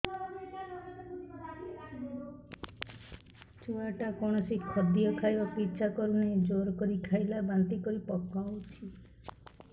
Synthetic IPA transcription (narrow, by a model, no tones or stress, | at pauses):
t͡ʃuaʈakɔɳ̃ɔsikʰɔd̪ijɔkʰajɔpitːt͡ʃʰakɔɾuned͡ʒoɾkɔɾikʰajlabant̪ikɔɾipɔkːawt͡ʃʰi